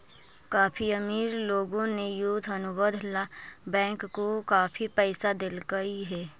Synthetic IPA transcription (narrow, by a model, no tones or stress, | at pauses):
kaːpʰiəmiːɾloːɡõnejud̪ʱɐnʊbəd̪ʱlabɛ̃ːŋkːokaːpʰipɛɪsad̪ɪlɡəiɦɛː